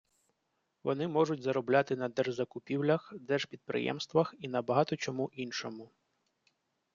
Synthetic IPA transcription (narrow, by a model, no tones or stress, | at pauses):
ʋɔ̰nɪmɔʐʊtʲzɐɾɔblʲat̪ɪnɐd̪ɛrʒzɐkʊpʲiwlʲɐxd̪ɛʒpʲid̪̚pɾɪ̰jɛ̰mst̪ʋɐxinɐbɐɦɑt̪ɔt͡ʃɔmuʔinʃɔmʊ